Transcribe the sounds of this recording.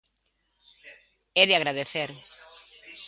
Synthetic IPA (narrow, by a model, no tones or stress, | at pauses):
ɛðaɣɾaðeθeɾ